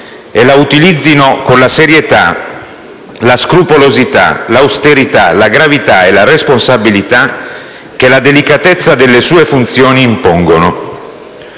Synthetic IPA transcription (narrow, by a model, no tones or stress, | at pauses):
elaut̪ilid̪zːinokonlaseɾjet̪a | laskɾupolozit̪a̰lawst̪eɾit̪alaɡɾavit̪aelaresponsabilit̪a | k̟ːelad̪elikat̪et̪sːad̪elːesuːefunt̪sjoːniːmpoŋɡono